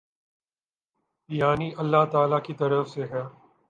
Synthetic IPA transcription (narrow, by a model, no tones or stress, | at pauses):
jaːniʔɐlːaɦt̪aːlakit̪ɐɾəfseɦɛ